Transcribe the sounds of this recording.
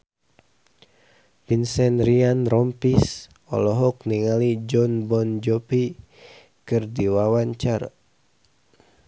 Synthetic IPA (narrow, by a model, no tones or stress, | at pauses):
binsɛnrianrɔmpis | ɔ̰lɔɦɔk̚niŋalid͡ʒɔnbɔnd͡ʒɔpi | kɨrdiwawaɲt͡ʃar